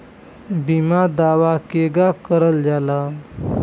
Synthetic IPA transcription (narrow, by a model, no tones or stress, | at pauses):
bimad̪aʋakeɡakəɾəld͡zala